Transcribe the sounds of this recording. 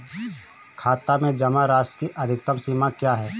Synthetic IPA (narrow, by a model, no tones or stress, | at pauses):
kʰaːt̪amẽd͡ʒɐmaɾaːskiʔɐd̪ʱɪk̚t̪əmsiːmakjaːɦɛː